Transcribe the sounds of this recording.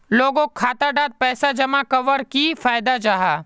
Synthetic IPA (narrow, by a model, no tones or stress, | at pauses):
loːɡõkʰaːt̪aɖaːd̪̚pɛːsad͡ʒɐmakɐʋəɾkifaːjd̪ad͡ʒaːɦaː